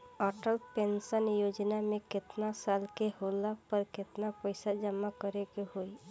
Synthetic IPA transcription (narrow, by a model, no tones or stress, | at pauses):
ɔːʈəlpẽnsənjoːd͡ʒnamẽkɪt̪nasaːlkeɦoːlapəɾkɪt̪napəɪsad͡ʒəmːakəɾeɡeɦoi